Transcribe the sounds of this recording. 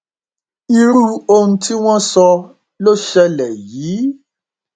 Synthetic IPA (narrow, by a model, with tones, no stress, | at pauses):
i˦ɾu˦o˦n̩˦ti˦w̃ɔ̃˦sɔ˧ | lo˦ʃɛ˦lɛ˨ji˨˦